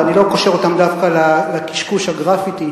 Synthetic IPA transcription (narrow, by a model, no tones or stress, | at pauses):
anilo̞koʃeʁo̞t̪amd̪afkalaleki̥ʃkuʃhaɡʁafit̪i